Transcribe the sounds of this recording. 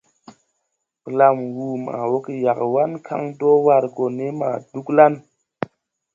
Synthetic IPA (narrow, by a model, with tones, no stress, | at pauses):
pə˨la˧mwu˨ma̰˨wo˦ki˦ja˨kwa˦nkʰa̰˦ŋto˦wa˧ɾko˨ne˦ma̰˨du˦kla˦n